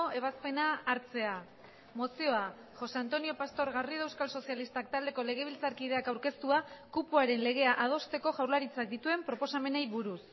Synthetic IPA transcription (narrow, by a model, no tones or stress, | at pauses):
oe̞βaspe̞naːɾt͡se̞a | mo̞sio̞a | xo̞sant̪o̞nio̞past̪o̞ɾɣariðewskalso̞sialist̪ak̚t̪ald̪e̞ko̞le̞ɣ̞e̞β̞ilt͡saɾkið̞e̞akawɾke̞st̪uakupuaɾe̞nle̞ɣ̞e̞aʔað̞o̞st̪e̞ko̞ʝawɾlaɾit͡sak̚d̪it̪ue̞mpɾo̞po̞same̞nejβuɾus